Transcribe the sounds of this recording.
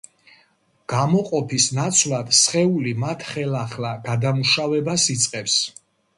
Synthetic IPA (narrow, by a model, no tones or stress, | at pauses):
ɡ̥amɔqʼɔpʰisnat̪sʰvlad̪̥sχɛulimat̪ʰχɛlaχlaɡad̪amuʃavɛbasit̪sʼqʼɛps